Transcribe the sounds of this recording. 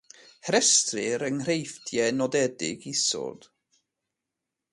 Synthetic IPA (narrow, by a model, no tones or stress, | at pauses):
hɛɾɛstrɪɾəŋrejftʰjɛnɔdɛdɪ̰ɡisɔ̰d̥